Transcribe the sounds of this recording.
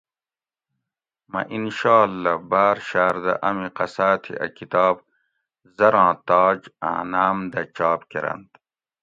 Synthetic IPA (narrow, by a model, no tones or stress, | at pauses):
mɐ̰ʔinʃaːlːɐbaːɾʃaːɾd̪ɐ̰ʔɐmiqɐsaːt̪ʰḭʔɐ̰kʰit̪ɑːb̚ | zɐɾɑ̃ːt̪ɑːd͡ʑa̰ːnaːmd̪ɐt͡ɕɑːbkeɾɐ̰nd̪